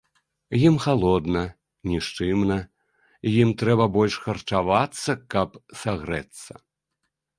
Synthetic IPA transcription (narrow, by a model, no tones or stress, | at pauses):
jimxalˠɔd̪nɐ | nʲiʂt͡ʂɨmnɐ | jimt̪ɾɛbɐbɔlʲʂxɐrt͡ʂavat̪sːɐkɐpsaɣɾɛt̪sːɐ̰